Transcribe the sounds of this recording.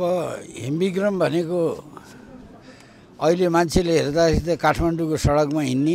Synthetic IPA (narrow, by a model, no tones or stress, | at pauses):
ʌbʌɦḛmbiɡrʌmbʱʌneko | ʌilemant͡sʰeleɦerd̪akʌɾit̪ʌkaʈʰmaɳɖukosʌɽʌkmaɦinːi